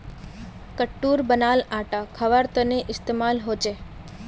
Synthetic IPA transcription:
kəʈːuɾbənalaʈakʰəʋaɾt̪əneʔɪst̪emalɦod͡ʒe

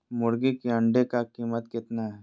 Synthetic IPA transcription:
mʊɾɡikeɐ̃ɳɖekakiːmət̪kɪt̪naɦɛ

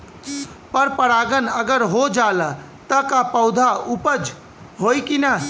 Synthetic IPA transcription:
pəɾpəɾaɡənəɡəɾɦod͡ʒalə | t̪əkapəʊd̪ʱaupəd͡ʒ | ɦojkina

